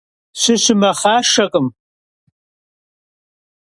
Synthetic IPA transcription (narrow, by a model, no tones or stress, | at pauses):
ɕɪɕɪmɐχaːʂɐqʼəm